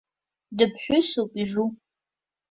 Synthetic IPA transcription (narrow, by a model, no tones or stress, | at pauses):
dɨpʰħʷʊsupʼiʒu